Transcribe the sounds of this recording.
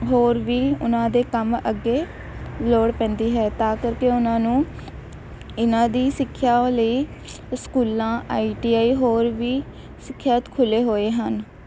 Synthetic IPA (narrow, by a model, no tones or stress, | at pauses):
ɦoːɾʋiːʊnãːd̪eːkəməɡːeː | loːɽpɛ̃ːnd̪iːɦɛːt̪aːkəɾkeːʊnãːnũː | ɪnãːd̪iːsɪkʰːjaːləiː | skuːlãːʔaːiːʈiːaːiːɦoːɾʋiː | sɪkʰːjaːt̪kʰʊleːɦoːeːɦən